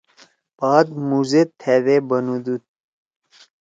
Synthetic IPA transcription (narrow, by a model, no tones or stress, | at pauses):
b̥aːd̪muzet̪ʰːeðebənud̪ut̪̚